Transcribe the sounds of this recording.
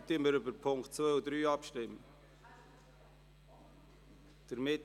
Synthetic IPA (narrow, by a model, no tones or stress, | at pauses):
t̪iməɾʏbəɾpʰʊŋktt͡svœʏud̪ɾyːɑpʃtɪmə | d̥əɾmɪt